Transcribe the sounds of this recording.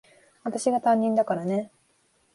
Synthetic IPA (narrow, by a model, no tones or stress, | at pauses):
βat̪aɕiɡat̪ãɲ̟ːĩnd̪akaɾane̞